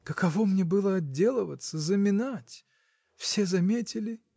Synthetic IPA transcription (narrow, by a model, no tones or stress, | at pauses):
kəkɐvomnʲebɨlˠəɐdʲːe̞lˠəvət̪səzəmʲɪnatʲ | fsʲe̞zɐmʲetʲɪlʲɪ